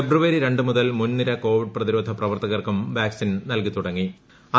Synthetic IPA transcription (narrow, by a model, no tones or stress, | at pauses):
ebruʋɐɾiɾe̞ɳɖɨmuðɐlmunːiɾɐko̞ːʋiɖ̚prɐðiɾo̞ːd̪ʱɐprɐʋɐrt̪ɐɣɐrkumʋaːksinnɐlkit̪uɽɐŋːi | ɐ